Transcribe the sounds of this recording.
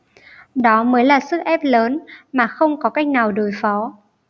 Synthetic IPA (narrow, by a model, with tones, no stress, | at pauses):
ɗɔ˨˦məː˨˦jlaː˨˩sɨ˦˥k̚ʔɛ˦˥p̚ləː˨˦nmaː˨˩xə˧wŋ͡mkɔ˨˦ka˦˥jk̟̚naː˨˩wɗo˨˩jfɔ˨˦